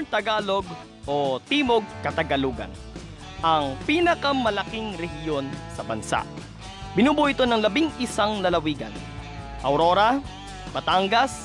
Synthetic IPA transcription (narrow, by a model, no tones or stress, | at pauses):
t̪ɐɡaːlo̞ɡ̚ | ʔot̪iːmoɡ̚kɐt̪ɐɡɐluːɡɐ̰n | ʔɐŋpiːnɐkɐmɐlɐkɪŋɾɛhjonsɐbɐnsa̰ʔ | b̥ɪnuːbuʔɪt̪o̞nɐŋlɐbiŋʔɪsaŋlɐlɐwiːɡɐ̰n | ʔɐwɾo̞ːɾɐ | b̥ɐt̪aŋɡɐs